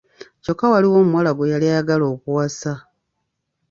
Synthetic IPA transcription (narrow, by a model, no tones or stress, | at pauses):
co̞kːawaliwo̞ːmuwalaɡojalijaɡalo̞ːkuwasa